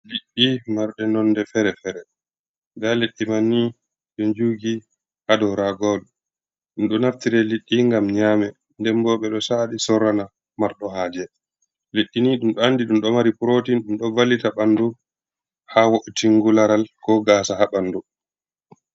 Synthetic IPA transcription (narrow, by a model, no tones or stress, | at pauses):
liɗːimaɾɗɛnɔndɛfɛɾɛfɛɾɛ | daleɗːimanːi | ɗɔnd͡ʒuːɡi | ʔadɔɾaɡɔl | ɗumɗɔnaftiɾɛliɗːiŋɡamɲaːmɛ | ndɛmbɔɓɛɗɔsaɗisɔɾana | maɾɗɔhaːd͡ʒɛ | leɗːiniɗumɗɔanːdiɗumɗɔmaɾipuɾotiɗumɗɔvalːitaɓandu | hawoʔutiŋɡulaɾalkɔɡaːsahaɓanːdu